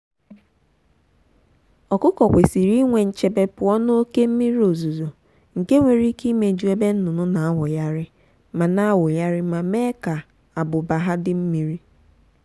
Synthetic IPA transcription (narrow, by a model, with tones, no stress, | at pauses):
ɔ˨kʊ˦kɔ˨kʷe˨si˨ɾi˦ŋʷe˨n̩˨t͡ʃe˨be˦pʊ˨ɔ˦no˦o˦ke˦m̩˦mi˦ɾi˦o˨zu˨zo˨ | ŋ̩˨ke˦ŋʷe˨ɾi˦ki˦me˨d͡ʒu˦e˦be˦n̩˦nʊ˨nʊ˦na˨a˦wʊ˨ja˦ɾɪ˦ | ma˨na˦a˦wʊ˨ja˦ɾɪ˦ma˨me˦ka˨ | a˨bʊ˨ba˨ɦa˦dɪ˦m̩˦mi˨ɾi˦